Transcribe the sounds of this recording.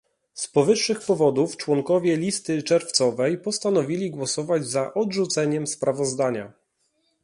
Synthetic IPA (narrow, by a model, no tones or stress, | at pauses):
spɔvɘʂːɘxpɔvɔd̪uft͡ʂwɔŋkɔvʲjɛlʲist̪ɘt͡ʂɛɾft̪sɔvɛjpɔst̪anɔvʲilʲiɡwɔsɔvad͡ʑzaʔɔdʐut̪sɛɲɛmspɾavɔzd̪aɲa